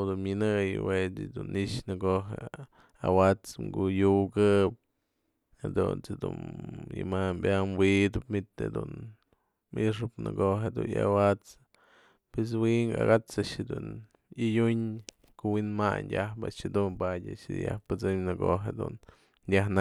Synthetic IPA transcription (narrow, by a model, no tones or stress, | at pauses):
d̪unmʲɨnɨjwet͡sid̪uniʔʃnɨɡoɦe | awat͡sŋɡujuɡɨp̚ | hed̪unt͡sɨd̪ṵnjɨmambʲamwid̪ɨpmit̪ḛd̪un | miʂ̬ɨpnɨ̰ɡoɦed̪unjawat͡s | pwes̬wiŋɡaa̰ɣat͡saʂed̪un | ijuɲ | kowinmaɲdʲahpa̰t͡ʃed̪unpadʲaʃija̰hpɨt͡sɨmnɨɡoɦed̪ṵn | dʲana